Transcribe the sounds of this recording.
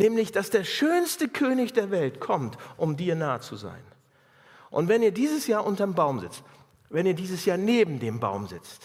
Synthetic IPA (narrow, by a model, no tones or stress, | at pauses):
nɛːmlɪçd̥asd̥eːɐʃøːnstəkʰøːnɪçd̥eːɐvɛltkʰɔmtʔʊmdiːɐnaːət͡suza̰ɪn | ʔʊ̰ntv̥ɛniːɐdiːzəsjaːɐʔʊntɐmbaʊmzɪ̰t͡st | vɛniːɐdiːzəsjaːɐneːbm̩deːmba̰ʊmzɪt͡st